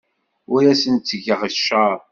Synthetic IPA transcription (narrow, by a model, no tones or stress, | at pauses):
ʊjæsənt̪ːəʝəʁəʃəɾˤ